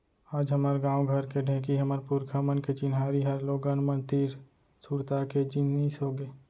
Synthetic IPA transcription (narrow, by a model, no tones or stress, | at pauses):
aːd͡ʒɦəməɾɡãːwɡʱəɾkeɖʱɛ̃ːkiɦəməɾpuɾkʰamənket͡ʃɪnɦaːɾiɦəɾloːɡanmə̃nt̪iːɾ | suːɾt̪aked͡ʒɪnisɦoːɡeː